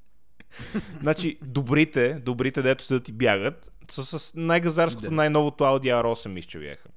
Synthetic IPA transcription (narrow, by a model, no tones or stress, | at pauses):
znat͡ʃid̪obɾit̪ɛd̪obɾit̪ɛd̪ɛt̪ʊ̥sɛd̪ət̪ibjaɡət̪ | səsəsnajɡɐzaɾsko̥t̪onajnɔvot̪oalˠd̪iaɾɔsɛmist͡ʃɛbja̰xə